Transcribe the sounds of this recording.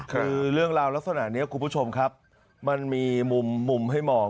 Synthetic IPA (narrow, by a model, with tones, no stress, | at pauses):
kʰɯː˧ɾɯ˥˩əŋɾaː˧wla˦˥k̚sʰa˧na̰˩niː˦˥ɐkʰu˧npʰu˦˥t͡ɕʰo˧mkʰa˦˥p̚ | ma˧nmiː˧mu˧mːu˧mɦa˥˩jmɔː˧